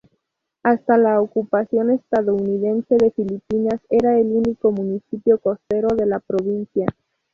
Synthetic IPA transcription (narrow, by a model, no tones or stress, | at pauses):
ast̪alaokupasjo̞ne̞st̪aðo̞uniðe̞nse̞ðe̞filipinase̞ɾaeluniko̞mũnisipjo̞ko̞st̪e̞ɾo̞ðe̞lapɾo̞βinsja